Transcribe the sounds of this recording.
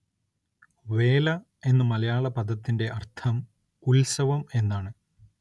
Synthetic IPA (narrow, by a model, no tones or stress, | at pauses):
ʋe̞ːlɐ | e̞nːɐmɐlɐjaːɭɐpɐd̪ʱɐt̪ːinde̞ʔɐrt̪ʰɐm | ulsɐʋɐme̞nːaːɳɨ